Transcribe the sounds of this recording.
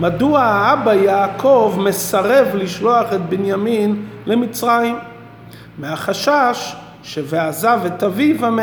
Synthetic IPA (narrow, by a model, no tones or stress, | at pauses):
maduaabajaːkʰovmesaʁevliʃloaχet̪̚benjaminlemit͡sʁajimː | ehaχaʃaʃː | eveazavetavivam